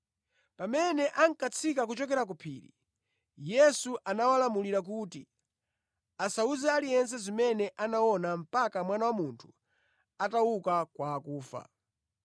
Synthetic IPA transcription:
pamɛnɛʔaŋkat͡sʰikak̬ut͡ʃɔk̬ɛɾak̬upʰḭːɾḭ | jɛsuʔanawalamuliɾak̬uːti | asauzɛalijɛns̬ɛzimɛnɛʔanawɔnam̩pakamwanawamuntʰu̥ | atawukakwaːkuːfa̰

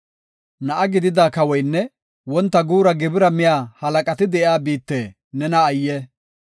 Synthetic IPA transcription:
nɐʔɐɡɪd̪ɪd̪aːkɐwɔjnːɛ | wɔnt̪ːɐɡuːɾɐɡɪbɪɾɐmɪjaːhɐlɐkʼɐt̪ɪd̪ɛʔjaːbiːt̪ːeː | nɛnɐːjːɛ

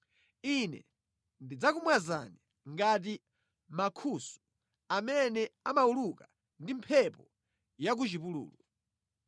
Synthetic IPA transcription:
inɛ̰ | ndid͡zakumwaza̰ni | ŋɡat̬i | makʰusu̥ | amɛnɛamauluka | ndimpʰɛpɔ | jak̬ut͡ʃipulṵːlu

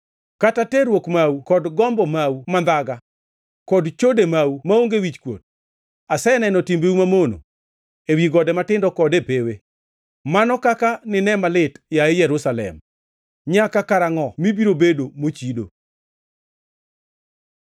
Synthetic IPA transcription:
katatɛɾwokmawukɔdɡɔmbɔmawumand̪aɡa | kɔdt͡ʃodemawumaoŋɡewit͡ʃkwo̰t̚ | asɛnɛnɔtimbeumamono̰ | ewiɡɔdɛmatɪndɔkɔdepeweː | anɔkakanɪnɛmalɪtjaɪjɛɾʊsalɛ̰m | ɲakakaɾaŋɔmibiɾobedomot͡ʃido

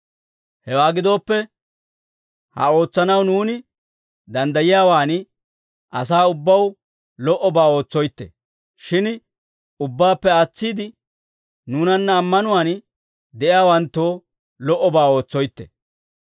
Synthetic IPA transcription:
hɛwaːɡɪd̪o̞ːpːɛ | hɐ̰o̞ːt͡sːɐnɐwnuːnɪ | d̪ɐnd̪ɐjɪjaːwaːn | ʔɐsaːʊbːɐw | lɔʔɔbaːo̞ːt͡sːɔjt̪ːḛ | ʃɪn | ʊbːaːpːɛat͡sːiːd̪ɪ | nuːnɐnːɐːmːɐnʊwaːn | d̪ɛʔɪjaːwɐnt̪ːoː | lɔʔɔbaːo̞ːt͡sːɔjt̪ːɛ̰

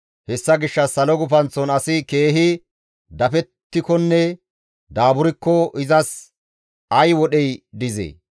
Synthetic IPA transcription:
hɛsːɐɡɪʃːɐsɐlɔɡʊfɐnt͡sːɔnɐsɪke̞ːɦɪ | d̪ɐfɛt̪ːɪkɔnːɛ | d̪aːbʊɾɪkːɔʔɪzɐs | ɐjwɔɗɛjd̪ɪzḛː

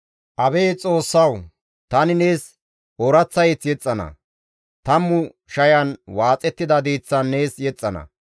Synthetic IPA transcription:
ʔɐbeːt͡sʼo̞ːsːɐw | t̪ɐnɪne̞ːs | ɔɾɐt͡sːɐjɛt͡sːjɛt͡sʼːɐnɐ̰ | t̪ɐmːʊ | ʃɐjɐnwaːt͡sʼɛt̪ːɪd̪ɐd̪iːt͡sːɐnːe̞ːsjɛt͡sʼːɐnɐ̰

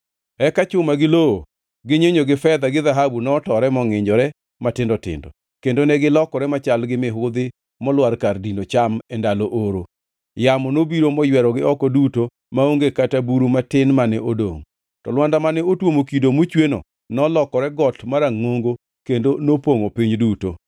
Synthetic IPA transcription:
ɛkat͡ʃʊmaɡɪloo | ɡɪɲeɲoɡɪfɛd̪aɡɪðaɦabunɔtɔɾɛmɔŋɪɲd͡ʒɔɾɛ | matɪndɔtɪ̰ndɔ̰ | kendonɛɡɪlɔkɔɾɛmat͡ʃalɡɪmɪɦʊd̪ɪ | mɔlwaɾkardindot͡ʃamɛndaloʔoɾo | jamɔnobiɾomɔjwɛɾɔɡɪɔkɔduto | maoŋɡekatabuɾumatɪnmanɛʔodo̰ŋ | tɔlwandamanɛotwomokidomut͡ʃweno̰ | nɔlɔkɔɾɛɡɔtmaɾaŋoŋɡo | kendonopoŋopiɲduto

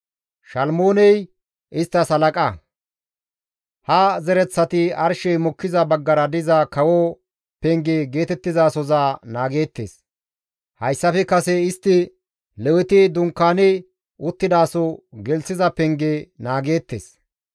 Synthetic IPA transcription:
ʃɐlmoːnɛj | ɪst̪ːɐsɐlɐkʼɐ | hɐzɛɾɛt͡sːɐt̪ɪɐɾʃɛjmɔkːɪzɐbɐɡːɐɾɐd̪ɪzɐkɐwɔ | pɛŋɡeɡe̞ːt̪ɛt̪ːɪzaːsɔzaːnaːɡe̞ːt̪ːḛːs | hɐjsːɐfɛkɐsɛɪst̪ːɪ | lɛwɪt̪ɪd̪ʊŋkːaːnɛ | ʊt̪ːɪd̪aːsɔɡɛlsɪzɐpɛŋɡenaːɡe̞ːt̪ːḛːs

